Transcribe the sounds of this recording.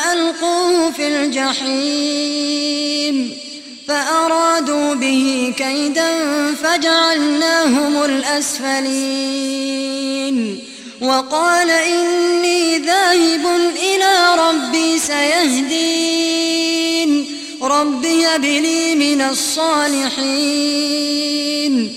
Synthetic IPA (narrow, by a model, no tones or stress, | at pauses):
ʔalquːhʊfild͡ʒaħiː | n | faʔɑɾˤɑːd̪uːbɪhikajd̪anfad͡ʒaʕalnaːɦʊmʊlʔasfali | n | wɑqɑːlaʔɪnːiːðaːhɪbʊnʔɪlaːɾˤɑbːiːsajaɦd̪iː | n | ɾˤɑbːɪjabɪliːmɪnasˤːɑːlɪħi | n